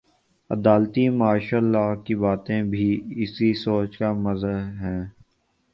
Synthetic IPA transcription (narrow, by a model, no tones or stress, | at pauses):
ɐ̰d̪aːlt̪imaːʃaːlːakibaːt̪ẽbʱiɪsisoːt͡ʃkamɐzəɦɛ̃ː